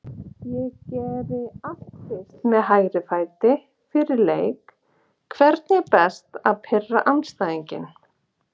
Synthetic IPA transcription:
jɛɣcɛːɾɪaht̪fɪst̪mɛðɦaːjɾɪfaːjt̪ɪ | fɪɾɪɾleːjk | kʰvɛɾt̪nɛpɛst̪aðpʰɪrːa̰ʔanst̪aːðiɲcɪ̰n

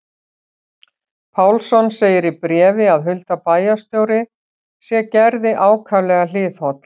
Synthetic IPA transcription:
pʰawlsɔnseːjɪɾipɾɛːvɪaðɦʏlt̪apaːjast̪joːwɾɪ | sjɛcɛɾðɪʔaːwkʰavlɛɣal̥ɪːðhɔt̪l̥

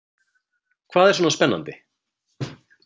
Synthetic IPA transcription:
kʰv̥aːðɛɾ̥sɔːnaspɛnːa̰nt̪ɪ

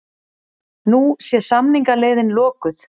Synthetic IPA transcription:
nusjɛsamniŋkaleːjðɪnlɔːkʏθ

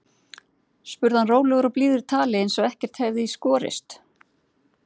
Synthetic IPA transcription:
spʏɾðhanroːwlɛɣʏɾawpliːðʏɾɪt̪ʰaːlɪɪnsɛvɛhcɛr̥t̪hɛvðɪiskɔːɾɪ̰st̪

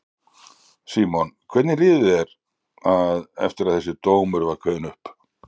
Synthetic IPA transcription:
siːmɔnkʰvɛt̪nɪlɪːðʏɛɾ | aðɛ̰ft̪ɪɾaðθɛsːɪt̪oːwmʏɾvaɾkʰœːðɪnʏhp

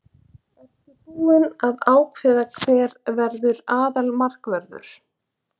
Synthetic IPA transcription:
ɛcɪpuːɪnaðaːwkʰvɪːðakʰvɛːɾvɛɾðʏɾaːðalmar̥kvɛɾðʏ̰ɾ̥

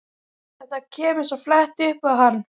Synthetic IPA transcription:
θɛht̪acʰɛːmɪ̥sɔflɛht̪ʏhpaðhanː

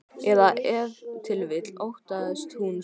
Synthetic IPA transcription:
ɛðaʔɛvt̪ʰɪlvɪt̪lowht̪aðɛst̪hun

